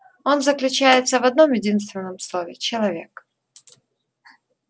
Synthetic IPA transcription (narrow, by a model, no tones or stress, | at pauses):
o̞nzəklʲʉt͡ɕæjɪt̪səvɐd̪no̞mjɪdʲins̬t̪vʲɪnːəmslˠovʲɪt͡ɕɪlˠɐvʲe̞k